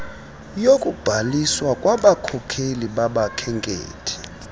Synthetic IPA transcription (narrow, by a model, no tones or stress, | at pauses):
jokʼub̥ʱaliswakʼwaɓakʰɔkʰeliɓaɓakʰɛŋkʼḛːtʰi̥